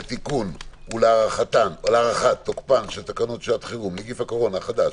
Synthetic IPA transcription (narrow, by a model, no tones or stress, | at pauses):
t̪ikunuleaʁaχat̪anolaʁaχat̪ːokpanʃelt̪akanotʃelat̪χiʁumleɡifhakoʁo̞naχad̪aʃ